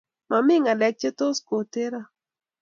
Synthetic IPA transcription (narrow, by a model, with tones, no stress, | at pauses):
ma˨mɪ˦ŋa˨lɛ˨k̚t͡ʃe˦to˦sko˨te˦ɾa˦